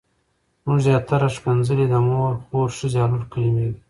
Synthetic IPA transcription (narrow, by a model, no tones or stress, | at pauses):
muʐzjɑːt̪aɾaʂpanzəlid̪amoɾxoɾʂəzʲɑːluɾkəlimed̪